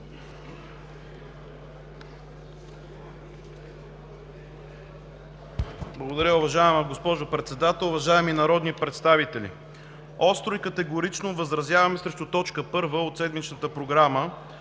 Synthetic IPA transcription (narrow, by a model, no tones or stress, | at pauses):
blˠəɡod̪ɐɾʲəʊvɐʒaɛməɡospɔʒopɾɛt̪sɛd̪at̪ɛlˠʊvɐʒaɛminɐɾɔd̪nipɾɛt̪st̪avit̪ɛlḭ | ɔst̪ɾoikət̪ɛɡoɾit͡ʃnovəzɾɐzʲjavɐmɛsɾɛʃt̪ʊt̪ɔt͡ʃkəpɤɾvəot̪sɛd̪mit͡ʃnət̪əpɾoɡɾamə